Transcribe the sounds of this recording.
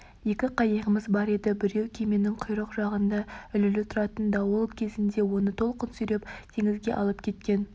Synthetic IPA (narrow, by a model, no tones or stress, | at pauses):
je̞kʲɪqʰɑjəʁəməzbɑɾe̞d̪ɪbɪɾe̞wkʲʰeme̞nɪŋqʰʊjɾəqʒɑʁənd̪ɑʏlɪlɪt̪ʰʊɾɑt̪ənd̪ɑwolˠkʲʰe̞zɪnd̪e̞wo̞nət̪ʰo̞lˠqənsʏjɾe̞pt̪ʰe̞ŋɪzɡʲe̞̰ʔɑ̰lˠəp̚kʲʰe̞t̪̚kʲe̞n